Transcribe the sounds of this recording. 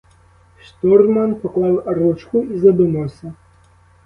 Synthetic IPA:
ʂt̪ɔrmanpɔklˠawaɾut͡ʂkuizɐd̪ɨnɔsʲɐ

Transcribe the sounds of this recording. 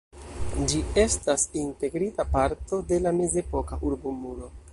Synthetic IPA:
d͡ʒie̞stasinte̞ɡɾitapaɾto̞de̞lame̞ze̞po̞kaʔuɾbumulo̞

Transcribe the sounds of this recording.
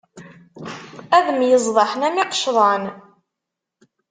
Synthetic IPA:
æðəmjəzˤðˤɑħnæmiqʃðˤɑn

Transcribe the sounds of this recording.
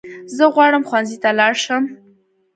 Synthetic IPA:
zəɣwɑɽəmxwanzit̪alɑɽʃəm

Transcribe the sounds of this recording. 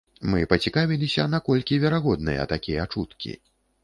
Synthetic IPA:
mɨpɐt͡sʲikavʲilʲisʲɐnakɔlʲkʲivʲɛɾaɣɔd̪̚nɨjɐ̰t̪akʲijɛat͡ʂut̪kʲḭ

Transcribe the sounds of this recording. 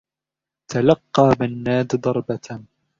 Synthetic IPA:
t̪alɑqːɑːbanːaːd̪d̪ˤɑɾˤbat̪

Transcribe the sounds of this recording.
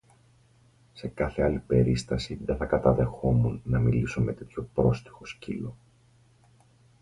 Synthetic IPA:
se̞kɐθe̞ɐlipe̞ɾist̪ɐsiðeθɐkɐt̪ɐðe̞xo̞munːɐmiliso̞me̞t̪e̞t̪ço̞pɾo̞st̪i̥xo̞scilo̞

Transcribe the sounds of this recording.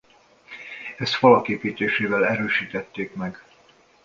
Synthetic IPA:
ɛst̪fɒlɒkeːpiːt̪eːʃeːvɛlɛɾøːʃiːt̪ɛt̪ːeːkmɛɡ

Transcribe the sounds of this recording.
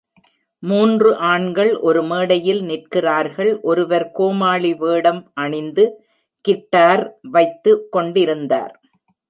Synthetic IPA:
muːndrɯʔaːɳɡɐɭʔɔɾɯmeːɽɐjɪlnɪrkɪraːɾɣɐɭʔɔɾɯʋɐɾkoːmaːɭiʋeːɽɐmʔɐɳɪnd̪ɯ | kɪʈːaːɾʋɐɪt̪ːɯkːɔɳɖɪɾɯnd̪a̰ːɾ

